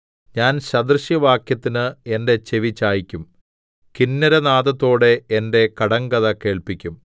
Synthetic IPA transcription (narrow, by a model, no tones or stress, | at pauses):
ɲaːnɕɐd̪rɨɕjɐʋaːkjɐt̪ːinɨe̞nde̞t͡ɕe̞ʋit͡ɕːaːjikʲːum | kinːɐɾɐnaːðɐt̪ːo̞ːɽe̞ende̞kɐɽɐŋɡɐðɐke̞ːɭpikʲːum